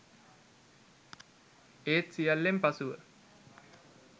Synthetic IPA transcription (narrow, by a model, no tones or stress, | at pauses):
eːt̪sijalːempasuʋə